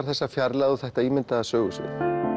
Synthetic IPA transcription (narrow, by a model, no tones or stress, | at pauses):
ɾ̥θɛsːafjaɾlaðuθɛht̪aiːmɪnt̪aasœːɣʏsʏ̰̥